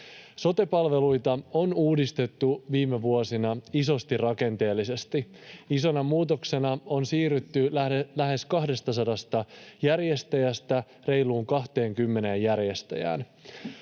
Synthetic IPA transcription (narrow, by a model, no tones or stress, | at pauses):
so̞t̪e̞pɑlʋe̞lujt̪ɑo̞nuːdist̪e̞t̪ːuʋiːme̞ʋuo̞sinɑiso̞st̪irrɑke̞nt̪e̞ːlːise̞st̪iiso̞nɑmuːt̪o̞kse̞nɑo̞nsiːryt̪ːylæɦe̞skɑhde̞st̪ɑsɑdɑst̪ɑjærje̞st̪æjæst̪æ | re̞jluːŋkɑht̪e̞ːŋkymːe̞ne̞ːjærje̞st̪æ̰jæ̰ːn